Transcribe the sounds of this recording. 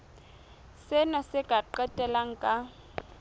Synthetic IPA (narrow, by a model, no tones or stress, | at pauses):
sɪnasɪkʼaǃɛtʼɛlaŋ̩kʼa